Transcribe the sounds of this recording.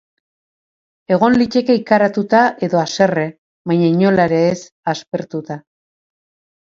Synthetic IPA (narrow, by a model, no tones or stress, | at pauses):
e̞ɣ̞o̞nlit͡ʃe̞ke̞ikaɾat̪ut̪aʔe̞ðo̞ase̞re̞ | βajɲaiɲo̞laɾe̞ːs | aspe̞ɾt̪ut̪a